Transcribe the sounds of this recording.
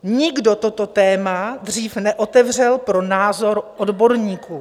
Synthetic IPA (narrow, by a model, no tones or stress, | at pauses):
ɲɪɡdo̞t̪o̞t̪o̞t̪ɛːmad̪r̝iːfnɛʔo̞t̪ɛvr̝ɛlpɾo̞naːzo̞ɾʔodbo̞ɾɲiːkuː